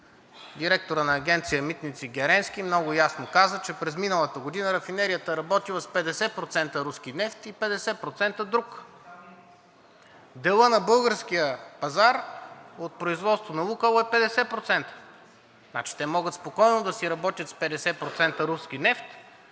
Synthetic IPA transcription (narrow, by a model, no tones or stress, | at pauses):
d̪iɾɛk̚t̪oɾənɐːɡʲɛnt̪sijəmit̪nit̪siɡʲɛɾɛnskʲimnɔɡʊjasnokazət͡ʃɛpɾɛzminəlˠət̪əɡod̪inəɾɐfinɛɾijət̪əɾɐbɔt̪ilˠəspɛd̪ɛsɛpɾot̪sɛnt̪əɾuskinɛft̪ipɛd̪ɛsɛpɾot̪sɛnt̪əd̪ɾuk | d̪ɛlˠɤnɐbɤlˠɡəɾskʲijəpɐzaɾot̪̚pɾoizvɔt̪st̪vonɐukəlˠoɛpɛd̪ɛsɛpɾot̪sɛnt̪ə̥ | na̰t͡ʃi̥t̪ɛmɔɡət̪spokɔjnod̪ɐsiɾɐbɔt̪ʲjət̪spɛd̪ɛsɛpɾot̪sɛnt̪əɾuskinɛft̪